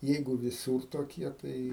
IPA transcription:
ˈjɛɪɡʊ ʋʲɪˈsuːr toːˈkʲiɛ ˈtɐɪ

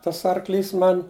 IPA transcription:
ˈtɐs ˈɐrˌklʲiːs ˈmɐnʲ

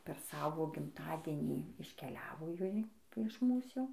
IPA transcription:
pʲɛr ˈsɑːʋoː ɡʲɪmˈtɑːdʲiɛnʲiː ɪʃʲkʲɛˈlʲæːʋoː ˈjoːj ɪʃ ˈmuːs ˈjɛʊ

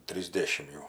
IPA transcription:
tʲrʲiːzʲˈdʲeːʃʲɪm jɛʊ

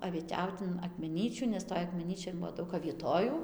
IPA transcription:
ɐʋʲiɛˈtʲɛʊt ɪn ɐkmʲɛˈnʲiːt͡ʃʲuː nʲɛs ˈtoːj ɐkmʲɛˈnʲiːt͡ʃʲoːj ˈbʊʋoː ˈdɐʊk ɐʋʲiɛˈtoːjuː

